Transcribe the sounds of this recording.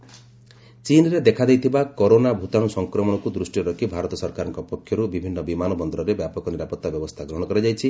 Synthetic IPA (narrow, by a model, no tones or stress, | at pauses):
t͡ʃinɾed̪ekʰad̪ejt̪ʰibakɔɾonabʱut̪anusɔŋkɾɔmɔɽ̃ɔkud̪ɾusʈiɔɾɔkʰibʱaɾɔt̪ɔsɔɾkaɾɔŋkɔpɔkʰːjɔɾubibʱinːɔbimanɔbɔnd̪ɔɾɔɾebjapɔkɔniɾapɔt̪ːabjɔbɔst̪ʰaɡɾɔɦɔɽ̃ɔkɔɾed͡ʒajt͡ʃʰi